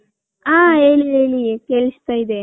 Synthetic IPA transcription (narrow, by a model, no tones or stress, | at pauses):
aːeːlieːɭikeɭist̪ajid̪e